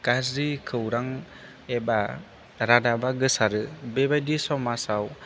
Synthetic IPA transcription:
kasɾikʰɯwɾaŋ | ɛba | ɾadabaɡɯsaɾɯbebajdisɔmasaw

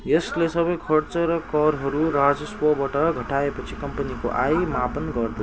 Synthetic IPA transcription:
jʌslesʌbʌjkʰʌrt͡sʌrʌkʌɾɦʌɾurad͡zʌswʌbaʈʌɡʱʌʈaepʌt͡sʰikʌmpʌniko̰ʔajmapʌnɡʌrd̪ʌ

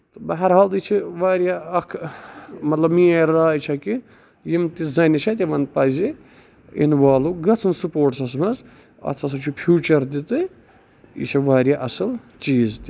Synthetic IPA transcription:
t̪ɨbɐɦɐɾɦaːlt̪it͡ʃʰiʋaːɾʲjaɐkʰmɐt̪lɐbmiaɾːaːit͡ʃʰɐki | jimt̪izɐnʲit͡ʃʰɐt̪ʲiʋɐnpɐzi | ḭnʋaːluɡɐt͡sʰɨnsupoːʈsɐs̬mɐz | ɐ̰t̪ʰɐs̬ɐt͡ʃʰupʰjuːt͡ʃɐɾt̪it̪ɨ | ḭt͡ʃʰiʋaːɾʲjaʔɐsɨl | t͡ʃiːzt̪i

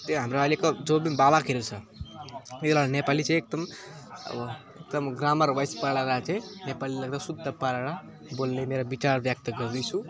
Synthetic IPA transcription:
t̪eɦəmɾaalekɔd͡ʒobinbabakʰeɾet͡sʰə | et̪laɽnepalit͡ʃeek̚d̪əm | ə̰b | ek̚d̪əmɡɾaməɾʋəjspəɽaɾat͡ʃenepaliləɡ̚d̪asud̪ʱːəpaɾeɽa | bolnemeɾabit͡ʃaɾbjak̚t̪əɡəɾd̪it͡ʃʰũ

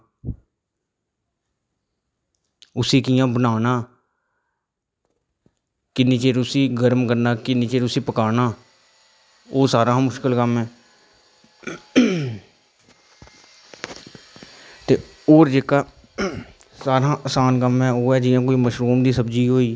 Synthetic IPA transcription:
ʊsiːkɪjãːbənaːnaː | kɪniːt͡ʃeːɾʊsiːɡəɾmkəɾnaːkɪnĩːt͡ʃeːɾʊsiːpəkaːnaː | oːsaːɾãːmʊʃkəlkəmɦɛː | t̪ḛː | oːɾd͡ʒeːkaː | saːɾãːʔəsaːnkəmɛːoːɛːd͡ʒɪjãːkoːiːməʃɾuːmd̪iːsəbd͡ʒiːɦoːiː

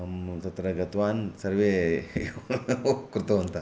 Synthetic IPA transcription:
mt̪ɐt̪ɾɐɡɐt̪ʋansɐɾʋe | kuɾt̪oɐnt̪a

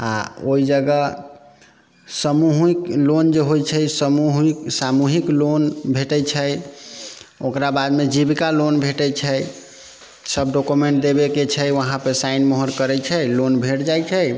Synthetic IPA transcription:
a̰oid͡ʒəɡə | səmuɦiklond͡ʒeɦojt͡ʃʰəsəmuɦiksamuɦiklonbʱeʈɛt͡ʃʰəj | okɾabad̪med͡ʒibkalonbʱeʈɛt͡ʃʰəj | səbɖokumeɳʈ̚d̪ebeket͡ʃʰəjʋəɦãpesainməɦəɾkəɾɛt͡ʃʰəlonbʱeʈd͡ʒajt͡ʃʰəj

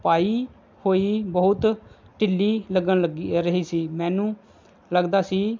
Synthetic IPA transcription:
paːiː | hoːiːbəɦʊt̪ | ʈɪlːiːləɡənəɡɾəɦiːsiːmɛ̃ːnũː | ləɡd̪aːsiː

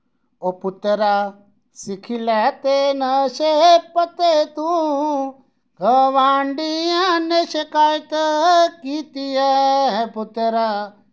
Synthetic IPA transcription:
opʊt̪eɾa | sikʰilɛt̪enɐʃeɦpɐt̪et̪ũ | ɡʱəʋaːɳɖijãneʃekaːjt̪kiːt̪ieɦɛ̃pʊt̪eɾa

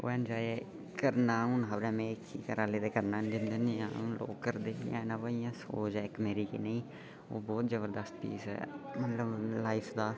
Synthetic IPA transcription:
o̰ːɛ̃ːnd͡ʒaːe | kəɾnaːunɦəbɾɛ̃ːmẽːkʰːḭːkəɾaːleːt̪eːkəɾnaːnd͡ʒɪnd̪enːã̰ːũːlo̰ːkːəɾd̪eːjã̰ːeːnãːʋəijãːsoːd͡ʒɛːɪkmeːɾiːkḭːneĩː | o̰ːbɔːt̪zəbəɾd̪əst̪pḭːsɛ̰ːmət̪ləblaːɪpʰd̪aː

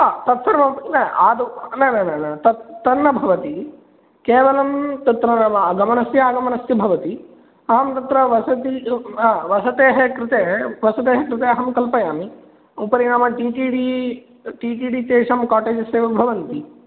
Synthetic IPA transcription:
at̪ɐt̪sɐɾmɐmnɐaːd̪unɐnɐnɐnɐt̪ɐt̪ːɐnːɐbʱɐʋɐt̪i | keːʋɐlɐmt̪ɐt̪ɾɐnaːmɐɐɡɐmɐnɐsjaːɡɐmɐnɐsjɐbʱɐʋɐt̪i | ɐɦɐmt̪ɐt̪ɾɐʋɐsɐt̪iaːʋɐsɐt̪eːɦɐkɾɪt̪eːʋɐsɐt̪eːɦɐkɾɪt̪eːɐɦɐmkɐlpɐjaːmi | upɐɾiɳaːmɐʈiːʈiːɖi | ʈiːʈiːɖit͡ʃeːʂɐmkaːʈeːd͡ʒɐseːʋɐbʱɐʋɐnt̪i

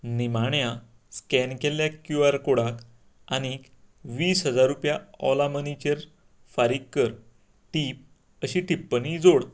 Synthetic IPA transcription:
nimaɳja | skɛnkeljakjuaɾkoɽak | añik | ʋiːsɦəd͡zaɾːupjaɔ̰lamənit͡ɕəɾ | faɾikːəɾ | ʈip̚ | əɕiʈipːənid͡zoɽ

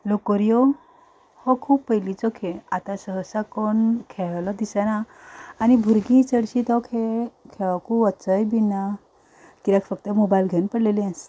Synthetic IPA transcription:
lokɔɾijo | hɔ̃kʰuːppəjlit͡sɔkʰeat̪ãsəɦəsakɔnkʰɛlɔd̪isanaːnibʱuɾɡĩt͡səɽɕit̪ɔkʰekʰɛʋakuət͡səjbina | kiɾakʰfək̚t̪əmobajlɡʱenpəɽleliãs

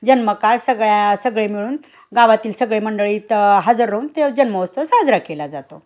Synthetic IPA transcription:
d͡ʑənməkaɭsəɡɭasəɡɭemiɭuːn | ɡaʋat̪iːlsəɡɭeməɳɖəɭiːt̪ɦəd͡zəɾːəunt̪ed͡ʑənməosəsɦaəd͡zɾakelad͡zat̪o

